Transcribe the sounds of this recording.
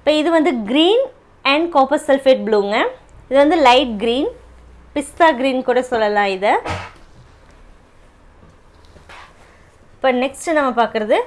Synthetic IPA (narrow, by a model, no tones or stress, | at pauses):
ɪpːɐːɪðɯʋɐnd̪ɯɡɾiːn | ɛɳɖkoːpɐɾsɛlfeːʈ̚bɪɽuŋɡɐɪðɯʋɐnd̪ɯlɐɪʈ̚ɡɾiːn | pɪst̪aːɡɾiːnkuːɽɐsɔlːɐlãːɪðɯ | pːɐnɛksʈɯnɐmːɐpaːɾkɯɾɐðɯ